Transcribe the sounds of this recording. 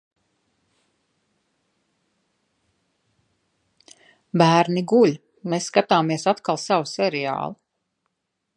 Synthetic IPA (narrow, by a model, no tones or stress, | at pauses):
bæːɾniɡulʲ | meːsːkat̪aːmiɛsat̪kalˠsawusɛɾɛa̰ːlˠi